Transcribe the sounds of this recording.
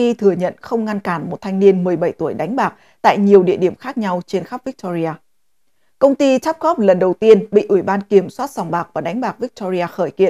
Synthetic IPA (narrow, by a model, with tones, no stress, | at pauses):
i˧t̪ʰɨ˨˧˩əɲə̰˧˨nxə˧wŋ͡mŋa˧nkaː˧˩nmo˨˩t̚t̪ʰa˧jŋ̟ni˧ənmɨ˨˩əjɓə˧˩jt̪u˧˩əjɗa˨˦ŋ̟ɓaː˨˩k̚ | t̪a̰ː˧˨jɲi˨˩əwɗḭ˧˨əɗi˧˩əmxaː˦˥k̚ɲa˧wt͡ɕe˧nxa˦˥p̚vi˦˥k̚t̪ɔ˧zi˧aː˧ | kə˧wŋ͡mt̪i˧t͡ɕa˦˥p̚ɣɔ˦˥p̚lə˨˩nɗə˨˩wt̪i˧ənɓḭ˧˨ʔwi˧˩ɓaː˧nki˧˩əmswaː˦˥t̚sa˨˩wŋ͡mɓaː˨˩k̚vaː˨˩ɗa˨˦ŋɓaː˨˩k̚vi˦˥k̚t̪ɔ˧zi˧aː˧xəː˧˩jkḭ˧˨n